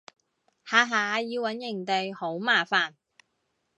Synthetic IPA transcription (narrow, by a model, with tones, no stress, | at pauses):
haː˨˧ɦaː˨˧jiː˧wɐ˨˥njɪ˨˩ŋt̪e˨jho˨˥wmaː˨˩faː˨˩n